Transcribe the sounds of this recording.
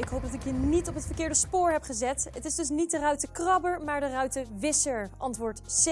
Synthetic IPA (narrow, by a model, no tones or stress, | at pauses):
ɪkɦowp̚dɑtɪkɦiːɹnitɔpɦətfəɹkɪːɹdəspʊːɹɦɛpχəzɛtətɪzdɵs̬nit̚dərœɥtəkrɑbəɹmaːɹdərœɥtəʋɪsəɹʔɑntʋʊːɹts